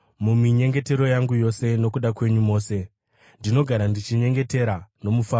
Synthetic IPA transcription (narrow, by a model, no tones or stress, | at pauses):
mumiɲe̞ŋɡe̞te̞ɾo̞jaŋɡujo̞se̞no̞kuɗakwe̞ɲumo̞ːse̞ | ndino̞ɡʱaɾandit͡ʃiɲe̞ŋɡe̞te̞ɾano̞mufaː